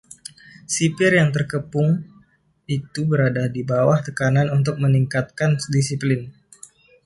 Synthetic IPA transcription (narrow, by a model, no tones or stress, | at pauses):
sipɪrjaŋt̪ərkəpʊŋ | it̪ubəɾadadibawaht̪əkananunt̪ʊk̚məniŋkat̪̚kandisiplɪn